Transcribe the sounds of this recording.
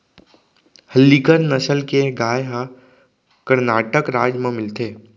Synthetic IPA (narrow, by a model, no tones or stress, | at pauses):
həlːikəɾnəsəlkeɡaːjɦa | kəɾnaːʈəkɾaːd͡ʒmẽmɪlt̪eː